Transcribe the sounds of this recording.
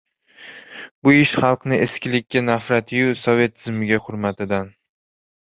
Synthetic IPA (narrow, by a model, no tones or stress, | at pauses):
bʊɪʃχɑlˠqnɪeskʲɪlɪkʲʰːanafɾat̪ʰɪjusɒve̞t̪ʰːɪzmɪɡʲaχʊɾmat̪ɪd̪an